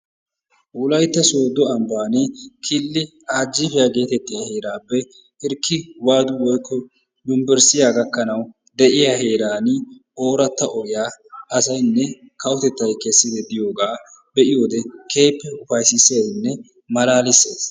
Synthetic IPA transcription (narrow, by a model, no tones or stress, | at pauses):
ʔʊlɐjt̪ːɐsoːd̪ɔɐmbaːnɪkʰɪlːɪ | aːd͡ʒːɪfɛjaɡe̞ːt̪ɛt̪ːɪjahe̞ːɾaːpːɛ | ɪɾkːɪwaːd̪ʊwɔjkʰːɔ | d̪ʊmbɛɾsɪjaːɡɐkːɐnɐw | d̪ɛʔɪjahe̞ːɾaːnʔoːɾɐt̪ːɐʔɔʔɪjaːɐsɐjnːɛ | kɐwʊt̪ɛt̪ːɐjkɛsːɪd̪ɛd̪ɪjo̞ːɡaː | bɛʔɪjo̞ːd̪ɛkʰe̞ːpːɛʊfɐjsɪseːnːɛ | mɐlaːlɪsːe̞ːs